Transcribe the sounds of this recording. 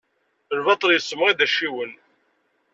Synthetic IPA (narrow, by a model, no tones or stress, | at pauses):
əlvɑt̪ˤəljəsːəmʁiðæʃiwən